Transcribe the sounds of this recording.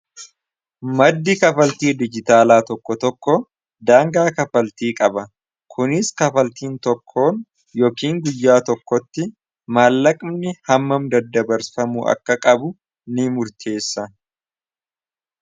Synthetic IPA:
mɐd̪ːɪkɐfɐlt̪iːd̪ɪd͡ʒɪt̪aːlaːt̪ɔkːɔt̪ɔkːɔ | d̪aːŋɡaːkɐfɐlt̪iːkʼɐbɐ | kʰʊnɪskɐfɐlt̪iːnt̪ɔkʰːo̞ːn | jo̞ːkiːŋɡʊjːaːt̪ɔkːɔt̪ːɪ | maːlːɐkʼmnɪhɐmːɐmd̪ɐd̪ːɐbɐɾfɐmuːʔɐ̰kːɐkʼɐbʊ | nɪmʊɾt̪ʰe̞ːsːɐ

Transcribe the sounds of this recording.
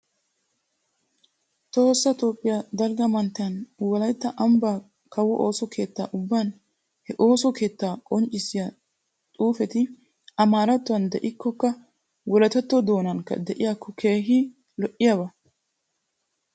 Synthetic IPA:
t̪o̞ːsːɐt̪o̞ːpʼːɪjad̪ɐlɡɐmɐnt̪ːɪjɐnwɔlɐjt̪ːɐʔɐmbaː | kɐwɔʔo̞ːsɔkʰe̞ːt̪ːaːʔʊbːaːn | hɛʔo̞ːsɔke̞ːt̪ːaːkʼɔnt͡ʃʼːɪsɪja | t̪ʼuːfɛt̪ɪ | ɐmaːɾɐt̪ːʊwɐnd̪ɛʔɪkːɔkːɐ | wɔlɐt̪ɐt̪ːɔd̪o̞ːnɐŋkːɐ̰d̪ɛʔɪjakːɔkʰe̞ːɦɪ | lɔʔɪjabɐ

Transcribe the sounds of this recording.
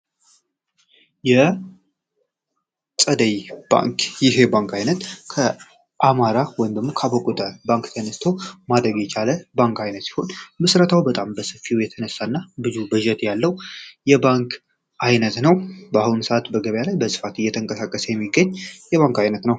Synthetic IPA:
jɛ | sʼəd̪əjb̥a̰ŋkjɪɦe̞baŋkajnət̪kʰə | ʔamaɾawɔjɪmd̪əɡmo̞kʰabəkʼut̪ʼəbaŋkt̪ʰənəst̪ʰomad̪ɾəɡjɛt͡ʃʰaləbaŋkajnət̪si̥ho̞nmɨsɾət̪ʰawbət̪ʼambəsɨfiwjɛt̪ʰənəsːaɨnːabɨzubɨʒɛt̪jalːəwjɛbaŋk | ʔajnət̪nəwbəahunsəʔat̪bəɡəβjalajbəsɨ̥fat̪ɨjːɛt̪ʰəŋkʼəsakʼːəsəjɛmːiɡːəɲːjɛβaŋkajnət̪nəw

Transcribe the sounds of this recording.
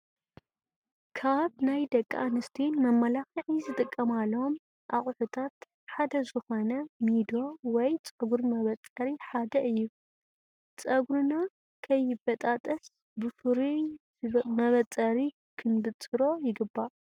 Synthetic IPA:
kʰaβnajd̪ɐkʼːaanɨst̪ʰinmɐmːɐlaxiʕizɨt̪ʼɨkʼːɐmalːɐom | ʔa̰χʼħut̪ʰat̪ | ħad̪ɐzɨxo̞nɐmid̪o̞wɔjt͡sʼɐɡuɾmɐβɐt͡sʼːɐɾiħad̪ɐʔɨjːu | t͡sʼɐɡɾuna | kʰɐjːɪbɐt̪ʼat̪ʼɐs | bɨfɨɾi | mɐβɐt͡sʼɐɾi | kʰɨnd̪ɨt͡sʼɨɾo̞jɪɡɨbːa

